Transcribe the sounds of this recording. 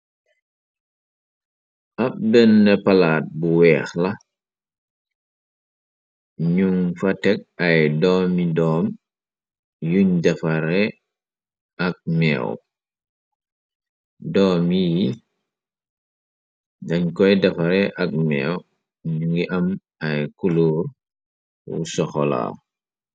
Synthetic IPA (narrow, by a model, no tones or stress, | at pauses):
ʔɐp̚bɛnːɛpɐlaːt̚buwɛːxlɐ | ɲuŋfɐtɛk̚ɐjdɔːmidɔːm | juɲdɛfaɾɛ | ɐk̚mɛ̰ːw | dɔːmiji | dɐɲkɔjdɐfɐɾɛʔɐk̚mɛ̰ːw | ɲuŋɡiʔɐm | ɐjkuluːr | wṵsɔxɔla̰